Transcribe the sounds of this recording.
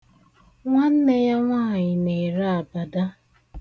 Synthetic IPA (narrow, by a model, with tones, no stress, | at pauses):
ŋʷa˦n̩˦ne˦ja˦ŋʷaː˦˨ɲɪ˨ne˨ɾa˦a˨ba˨da˦